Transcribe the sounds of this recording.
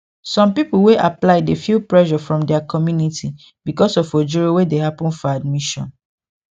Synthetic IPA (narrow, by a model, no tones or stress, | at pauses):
sɔ̃mpipuweʔaplaɪdefilpɹɛʒɔfɹɔ̃mdɛakʰɔmjunitʰi | bikɔsɔfod͡ʒuɹowedehapɔ̃nfɔad̚miʃɔ̃n